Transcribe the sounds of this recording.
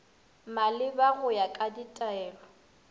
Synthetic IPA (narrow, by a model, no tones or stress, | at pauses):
malɪbaɣʊjakʼaditʼaɛːlɔ